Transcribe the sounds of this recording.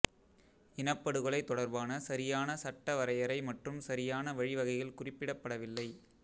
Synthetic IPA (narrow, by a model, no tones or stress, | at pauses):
ɪnɐpːɐɽɯɣɐɭɐɪt̪ːɔɽɐɾbaːnɐsɐɾɪjaːnɐsɐʈːɐʋɐɾɐjɐɾɐɪmɐʈrɯmsɐɾɪjaːnɐʋɐɻɪʋɐɣɐjɪlkʊrɪpːɪɽɐpːɐɽɐʋɪlːɐɪ